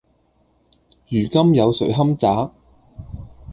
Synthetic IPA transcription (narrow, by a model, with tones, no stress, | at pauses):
jyː˨˩kɐ˥mjɐ˨˧wsɵ˨˥ɥɦɐ˥mt͡saː˨˥